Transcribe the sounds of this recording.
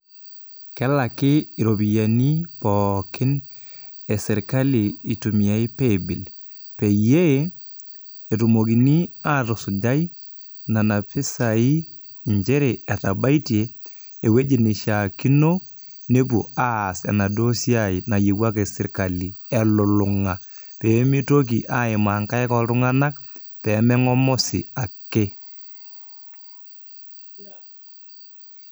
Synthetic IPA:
kɛ˦la˨kɪ˦i˨ɾo˨bi˨ja˨ni˦pɔkɪ˦n | e˨sɪ˨ɾka˦liː˨tu˨mi˨a˨i˦pe˦bɪ˨l | pe˨je˦ | e˨tu˨mo˨k̬i˨ni˦a˦tɔ˨sʊ˨d͡ʒa˦j | na˨na˨pɪ˦sa˨i˦ | iɲd͡ʒɛ˦ɾe˨ɛ˨ta˨ba˦i˦tje˨ | e˨we˦d͡ʒi˨nɪ˨ʃa˨ki˦no˦ | ne˦p̬ṵ˨a˦˨sɛ̰˨na˨do˦sja˨ɪ˨na˨je˨wa˦ke˨sɪ˦ɾka˨li˨ɛ˨lʊ˨lʊ˨ŋa˨ | peː˨˦mi˦to˦k̬i˨ʔa˦ɪ˨maː˨ŋka˦ɛ˦kɔ˨ɾʊ˦ŋa˦na˦k | pɛː˨˦mɛ˦ŋɔ˦mɔ˦sḭ˨a˨kːe˦

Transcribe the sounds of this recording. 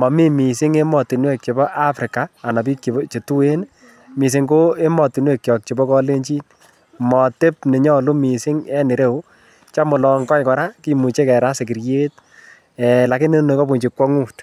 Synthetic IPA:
mɔ˨mi˦mi˨sɪ˦ŋe˦mɔ˨ti˨nwe˦k̚t͡ʃe˨bɔ˦ʔa˦fɾɪ˨kaː˨na˨bi˦kt͡ʃi˨˦t͡ʃe˨tu˦e˦n | mi˨s̬ɪ˨ŋko˦e˦mɔ˨ti˨nwe˦˨k̚t͡ʃjɔ˨k̚t͡ʃe˨bɔ˦kɔ˦le˦ɲt͡ʃi˦n | mɔ˨te˦p̚nɪ˨ɲɔ˦lu˦mi˨sɪ˦ŋɛ˦nɪ˨ɾe˦u˦ | t͡ʃa˦mʊ˨lɔ˨ŋkɔ˦jkɔ˨ɾa˦ki˦mu˨t͡ʃe˦kɛ˨ɾa˦se˨k̬ɪ˨ɾje˦t̚ | ɛla˨kɪ˦nɪ˦ne˨kɔ˦pu˨ɲt͡ʃi˨kwɔ˦ŋu˦t

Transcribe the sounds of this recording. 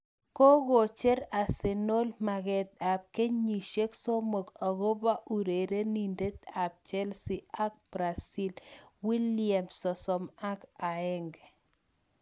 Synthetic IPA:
ko˦ɣo˨t͡ʃɛ˦ɾa˨se˨no˦lma˨ɣɛ˨t̪̚a˨p̚ke˦ɲɲi˨ʃe˦kso˦mo˨ka˨ɣo˦ba˦ʔu˨ɾe˨ɾe˦ni˨nde˦t̪̚a˨p̚t͡ʃɛ˦lsɪ˦a˦k̚b̥ɾa˨si˦lwi˦lia˨msɔ˨sɔ˨ma˦ka˨ɛ˦ŋɡ

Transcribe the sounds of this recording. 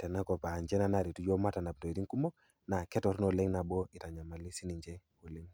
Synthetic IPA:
tɛ˨na˦kɔ˨pa˨ɲd͡ʒɛ˦na˨na˦˨ɾi˨tu˦d͡ʒo˦ma˦ta˨na˨p̚to˨i˨ɾi˦ŋku˦mo˦k | na˨kɛ˦tɔ˨ɾnɔ˨le˦ŋna˨bo˦i˨ta˨ɲa˨ma˨li˦si˦ni˨ɲd͡ʒɛ˦ | o˨le˦ŋ

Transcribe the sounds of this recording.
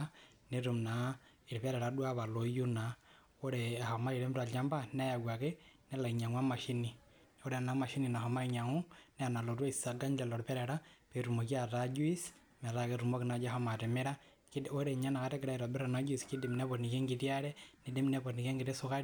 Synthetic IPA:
neɾu˨mna˨ | i˨ɾpɛ˦ɾɛ˨ɾa˨dwa˦βa˨lo˨ju˦na˨ | o˦ɾea˨ha˨ma˦i˨ɾe˦mta˨la˦mba˦nɛ˦ja˨ɡwa˨ke˦nɛ˦la˨i˨ɲa˨ŋwa˦ma˨ʃi˦ni˨ | o˦ɾe˨a˨na˨ma˨ʃi˦ni˨na˨ɦa˨ma˦iɲa˨ŋu˦nɛ˦a˨na˨lo˨twa˦i˨sa˨ɡa˦ɲlɛ˨lɔ˨ɾpɛ˦ɾɛ˨ɾa˦pe˨ɾu˨mo˨ki˦a˨ta˦d͡ʒwi˦s | mɛ˨ɾa˨ke˨ɾu˨mo˦ki˨na˨d͡ʒa˦ha˦ma˨te˨me˦ɾa˦ | koɾe˨ɲa˦na˨ka˨tɛ˦ke˨ɾa˦i˨ɾa˨be˦ɾa˨na˦d͡ʒi˨ski˦di˨mnɛ˦βo˨tni˨kɛ˦ŋɡi˨tja˦ɾɛ˦ne˨de˦mnɛ˦po˨tni˨ke˦ŋɡi˨te˦su˦ka˦ɾi

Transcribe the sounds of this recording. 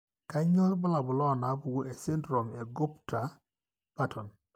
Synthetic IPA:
ka˦ɲɔ˦lbɔ˦la˨bʊ˨lɔ˦˨na˨˦bu˨ɡo˦ʔe˨se˦ndɾɔ˨me˨ɡʊ˦pta˨ | pa˦tʰɔ˨n

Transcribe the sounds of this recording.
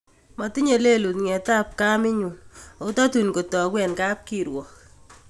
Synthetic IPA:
mɔ˨ti˦ɲe˨le˦lu˨tŋɛ˨ta˦p̚ka˦mɪ˦ɲu˨no˦tɔ˦tu˨nko˨tɔ˨kwɛ˨nka˦p̚ki˨ɾwɔ˨k

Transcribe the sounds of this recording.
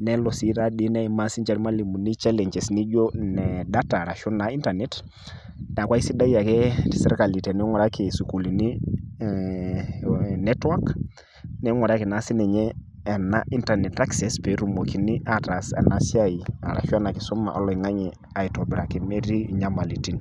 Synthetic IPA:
nɛ˦lɔ˨si˨˦ta˦ɗi˦nɛ˦i˨ma˦si˦t͡ʃa˦ɾma˦li˨mu˨ni˦t͡ʃa˦lɛ˨ɲd͡ʒɛ˨sni˦d͡ʒo˦nɛ˨da˦ta˨ɾa˨ʃɔ˦na˨i˦nta˨nɛ˦t | nɛ˨a˨kwa˦i˦si˦da˦ja˨kɛ˦sɛ˦ɾka˨li˨tɛ˨nɛ˦ŋɔ˨ɾa˦ke˨su˨ku˨li˨ni˦ | nɛ˦twa˦k | nɛ˦ŋɔ˨ɾa˦ki˨na˦si˦nɛ˨ɲɛː˦˨ | na˦ʔi˦nta˨nɛ˨ta˦ksɛ˨spɛ˨ɾu˨mo˨ki˨ni˦a˦ta˨sɛ̰˨na˨si˦a˦i˨a̰˨ɾa̰˨ʃɔ˦na˨kɪ˨sɔ˦ma̰˨ʔɔ̰˦lɔ˨i˨ŋa˦ɲɛ˨ | a˨i˨tɔ˨bɪ˨ɾa˨ki˨mɛ˦ɾi˦˨ɲa˦ma˨li˨ti˦n

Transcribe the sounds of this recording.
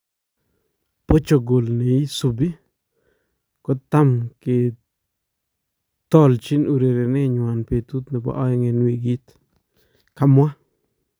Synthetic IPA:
po˦t͡ʃo˨ɡo˨lne˨i˦su˨bi˦ | kɔ˦t̪a˦mke˨ | t̪ɔ˦˨lt͡ʃɪ˦nu˨ɾe˨ɾe˨ne˦ɲwa˨npe˨t̪u˦t̪nɛ˨ba̰˦ʔɔ˦ŋe˨nwi˨ɡi˦t̪ | ka˦mwa˦

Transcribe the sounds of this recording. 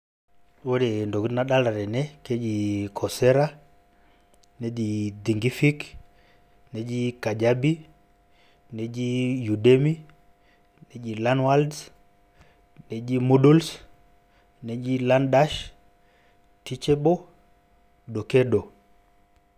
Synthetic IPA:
wo˦ɾe˨ndo˨ktna˦ɗa˦la˨ɾɛ˨nɛ˦ke˦d͡ʒi˨kʰɔ˨sɛ˦ɾa˦ | ne˦di˨di˨ŋɡi˦fi˦k | ne˨d͡ʒi˦ka˨d͡ʒa˦bi˦ | ne˨d͡ʒi˦ju˨de˦mi˦ | ne˨˦d͡ʒi˨la˦nwa˦lds | ne˨d͡ʒi˦mu˦du˦ls | ne˨d͡ʒi˦la˦nda˦ʃ | ti˦t͡ʃɛ˦bo˦ | ɗo˨ke˦ɗo˨

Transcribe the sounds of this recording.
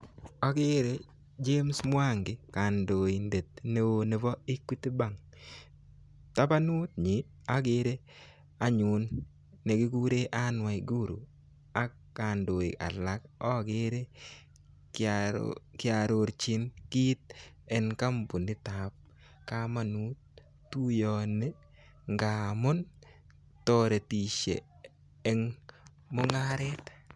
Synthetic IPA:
a˦ɡɪ˦ɾe˦ | d͡ʒe˦msmwa˦ŋɡɪ˨ka˨ndo˨i˨nde˨t̪̚ne˦wo˦ne˨vɔ˦i˦ki˦t̪i˦ba˨ŋ | ta˦pa˦nʊ˦t̪̚ɲi˨ | a˦ɡɪ˦ɾe˦ | a˨˦ɲʊ˨nː | e˨ɡɪ˦ɡu˦ɾe˦ʔa˦nwa˨i˨ɡu˦ɾṵ˨ | a˦ | ka˨ndo˨ḭ˨a̰˨la˨˦kɔ˦ɡɪ˦ɾe˦ | kɪa˨ɾo˨ɾt͡ʃi˦nki˦t̪̚ | ɛ˦nka˦mbu˨ndɪ˦ta˨p̚ | ka˦ma˨nu˦t̚ | tu˦jɔ˨ne˦ | ŋɡa˨mɔ˦n | tɔ˦ɾe˨ti˨ʃḛ˨ | ɛ˦ŋ | mo˦ŋa˦ɾɛ˦t̪

